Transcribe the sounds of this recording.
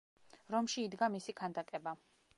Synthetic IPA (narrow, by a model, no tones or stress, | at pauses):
ɾɔmʃiːd̪ɡamisikʰand̪akʼɛba